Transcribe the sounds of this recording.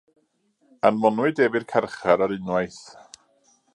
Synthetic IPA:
anmɔnwɨdɛvɨrkʰɛrχaɾaɾɨnwajθ

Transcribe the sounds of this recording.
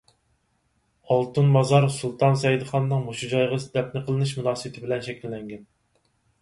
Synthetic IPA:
ɑlˠt̪ɨnmɑzɑɾsulˠt̪ʰɑnsɛjid̪ɨχɑnːɨŋmoʃud͡ʒɑjʁəsd̪ɛp̚nɪqʰəlˠɨnɨʃmunɑːsəbɪt̪ʰɪbɪlɛnʃɛkʲʰilːɛŋɡʲɛn

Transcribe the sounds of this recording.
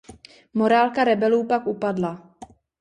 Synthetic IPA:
mo̞ɾaːlkaɾɛbɛluːpakupadla

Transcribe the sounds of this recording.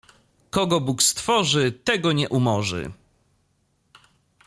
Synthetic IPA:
kɔɡɔbukst̪fɔʐɘt̪ɛɡɔɲɛʔumɔʐɘ̰

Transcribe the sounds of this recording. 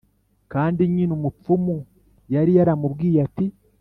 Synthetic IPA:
kaːndiɲinumup͡fumu | jaɾijaɾamubɡiːjati

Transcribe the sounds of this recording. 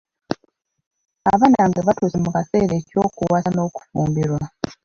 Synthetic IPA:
aβanaːŋɡeβatuːsemukase̞ːɾeːco̞ːkuwano̞ːku̥fuːmbiɾwa

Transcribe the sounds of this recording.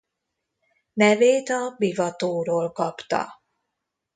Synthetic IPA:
nɛveːt̪ɒbivɒt̪oːɾoːlkɒpt̪ɒ̰

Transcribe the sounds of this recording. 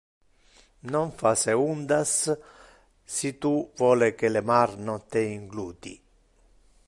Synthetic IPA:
noɱfaseund̪as | it̪uvɔːlekelemaɾnot̪eiŋɡluːt̪ḭ

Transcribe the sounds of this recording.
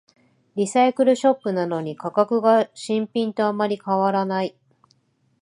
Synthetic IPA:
ɾʲisaikɯ̟ɾɯ̟ɕo̞pːɯ̟nano̞ɲ̟ikakakɯ̟ɡaɕĩmpʲĩnt̪o̞amːaɾʲikaβaɾanai

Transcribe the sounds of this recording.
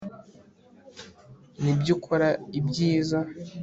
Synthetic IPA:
nibɟukʰoɾaibɟiːza

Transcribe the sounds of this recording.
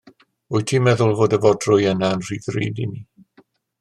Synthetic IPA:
ʊɨtʰiːmɛðʊlˠvoːdəvɔdrʊjənaənr̥iːðrḭːdḭni

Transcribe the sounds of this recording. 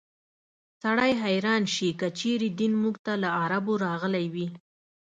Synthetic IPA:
saɽajɦajɾɑnʃikət͡ʃeɾed̪inmuɡt̪alaaɾaboɾɑɣəlajwi

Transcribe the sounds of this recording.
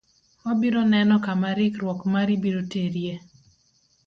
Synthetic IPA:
ɔbiɾonɛnɔkamaɾɪkɾwɔkmaɾibiɾoteɾje

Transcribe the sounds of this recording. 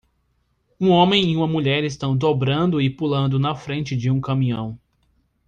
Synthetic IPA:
ũõmẽj̃iũmɐmuʎɛɾɪs̬t̪ɐ̃w̃d̪obɾɐ̃nd̪ʊɪpulɐ̃nd̪ʊnɐfɾẽnt͡ʃɪd͡ʒɪũkɐmĩɲɐ̃w̃

